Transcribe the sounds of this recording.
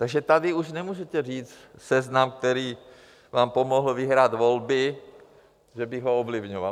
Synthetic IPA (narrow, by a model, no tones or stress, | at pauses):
t̪aɡʒɛt̪adɪuʃnɛmuːʒɛt̪ɛriːt͡st̪sɛznamk̚t̪ɛɾiː | vaːmpomoɦl̩vɪɦɾaːd̪volbɪ | ʒɛbɪɣɦoovlɪvɲova̰